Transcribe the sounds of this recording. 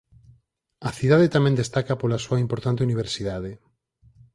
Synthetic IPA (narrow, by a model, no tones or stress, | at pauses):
aθiðaðet̪amɛ̃nd̪est̪akapolasuaimpoɾt̪ant̪euniβ̞eɾsiðaðe